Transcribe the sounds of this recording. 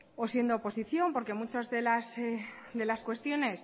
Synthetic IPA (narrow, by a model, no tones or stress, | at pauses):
o̞sje̞nd̪o̞ːpo̞siθjo̞mpo̞ɾke̞mut͡ʃozðe̞lasd̪e̞laskwe̞st̪jo̞ne̞s